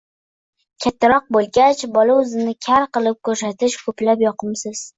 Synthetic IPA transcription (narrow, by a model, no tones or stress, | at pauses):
kʲʰat̪ʰːaɾɒq̚bolˠɡʲat͡ʃbɒlaʊzɪnɪkʲʰaɾqɨlˠɪp̚kɵɾs̬at̪ɪʃkʰɵplapjɒqʰɨmsɪz̥